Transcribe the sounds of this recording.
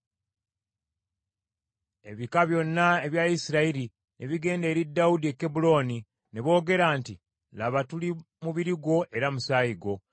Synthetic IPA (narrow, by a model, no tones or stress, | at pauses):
e̞βikaβjo̞nːae̞βjaisiɾaiɾi | nʔe̞βiɡe̞ːnde̞ːɾidːawudie̞kːebulo̞ːni | ne̞βo̞ːɡe̞ɾaːnti | laβatuli | muβiɾiɡo̞ʔe̞ɾamusaːjiɡo̞